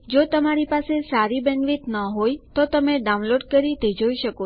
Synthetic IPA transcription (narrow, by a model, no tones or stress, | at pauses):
d͡ʒot̪əmaɾipasesaɾibɛ̃nʋit̪nəɦojt̪ot̪əmeɖaũnloɖkəɾid̪ʱəd͡ʒoiʃəko